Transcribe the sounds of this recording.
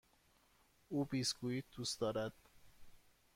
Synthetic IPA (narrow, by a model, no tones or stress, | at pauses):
uːbiːsɡuːjiːd̪̥uːsd̪ɒːɾæd̪̥